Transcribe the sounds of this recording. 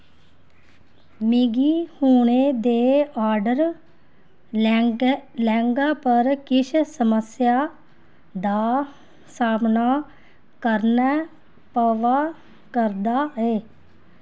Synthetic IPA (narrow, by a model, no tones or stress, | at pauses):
miɡiːhuːɳ̃eːd̪eːaːɾɖəɾ | lɛ̃ːŋɡaːpəɾkɪʃʰsəməsjaː | d̪aː | saːmnaː | kəɾnɛː | pəʋaː | kəɾd̪aːɛː